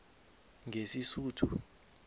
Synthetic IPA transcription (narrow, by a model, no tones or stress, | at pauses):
ŋʱesisuːtʰu